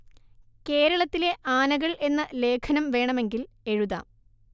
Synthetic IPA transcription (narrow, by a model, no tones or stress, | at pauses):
ke̞ːɾɐɭɐt̪ːile̞ʔaːnɐɣɐɭe̞nːɨle̞ːkʰɐnɐmʋe̞ːɳɐme̞ŋɡil | e̞ɻuða̰ː